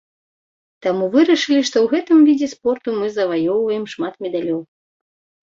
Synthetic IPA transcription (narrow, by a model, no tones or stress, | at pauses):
t̪amuvɨɾɐʂɨlʲiʂt̪ɔwɣɛt̪ɨmvʲid͡zʲɛspɔrt̪umɨzɐvajɔwvɐjɛmʂmat̪mʲɛd̪alʲɔw